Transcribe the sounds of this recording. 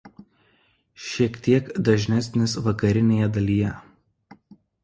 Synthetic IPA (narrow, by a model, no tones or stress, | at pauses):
ʃʲiɛkt̪ʲiɛkd̪ɐʒʲnʲæsʲnʲɪsʋɐkɐɾʲɪnʲeːjɛd̪ɐlʲijɛ